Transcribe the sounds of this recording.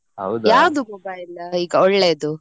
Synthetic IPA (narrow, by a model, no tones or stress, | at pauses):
ɦɐwd̪jaːwd̪umɔbɐjilɐiːɡɐɔɭːe̞ːd̪u